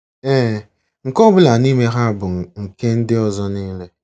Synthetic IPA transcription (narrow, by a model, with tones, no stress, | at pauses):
e˦˨ | ŋ̩˨kɔ˦bʊ˦la˨ni˦me˦ɦa˦a˨bʊ˨ŋ̩˨ke˦n̩˦dɪ˦ɔ˦˨zɔ˦niː˦le˦